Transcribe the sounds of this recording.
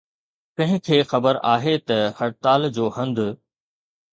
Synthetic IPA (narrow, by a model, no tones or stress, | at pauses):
pɐ̃ɦɪ̃kʰeːxɐbəɾaːɦet̪ɐhɐɾt̪aːld͡ʑoːhɐ̃nd̪